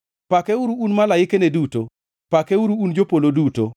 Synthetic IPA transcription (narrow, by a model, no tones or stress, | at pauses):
pakɛuɾuːnmalajɪkeneduto | pakɛuɾuːnd͡ʒopoloduto